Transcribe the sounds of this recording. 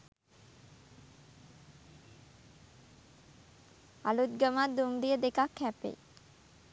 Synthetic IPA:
alut̪̚ɡəmad̪umɾijəd̪ekakhæpḛ

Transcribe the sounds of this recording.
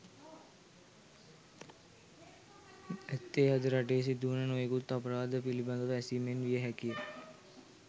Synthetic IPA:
æt̪ːeːɦad̪əɾɐʈeːs̬id̪uːnənojekut̪ːɐpəɾaːd̪əpilibɐnd̪əʋəɛsiːmenʋijəɦɛkijə

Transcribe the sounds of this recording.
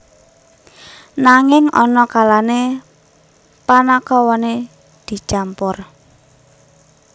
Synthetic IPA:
naŋɪŋɔnɔkalane | panakɔwɔne | d̪̥i̤̥t͡ʃampʊr

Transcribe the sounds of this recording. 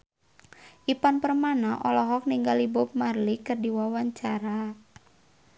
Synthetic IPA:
ʔipanpərmanaʔɔlɔɦɔk̚niŋɡalibʊp̚marlikɨrdiwawaɲt͡ʃaɾa

